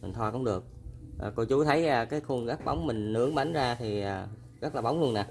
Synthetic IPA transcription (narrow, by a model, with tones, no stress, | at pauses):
mï˨˩ŋ̟t̪ʰwaː˧kʊ̰˧˦ŋ͡mɗɨ˨˩ək̚ʔəː˨˩ko˧jt͡ɕu˨˦t̪ʰə˨˦jʔːkaː˨˦jxu˧ənɣaː˦˥k̚ɓa˨˦wŋ͡mmï˨˩ŋ̟nɨ˨˦əŋɓa˨˦ŋzaː˧t̪ʰi˨˩ʔaː˨˩ | zə˦˥t̚laː˨˩ɓa˨˦wŋ͡mlu˧ənaː˨˩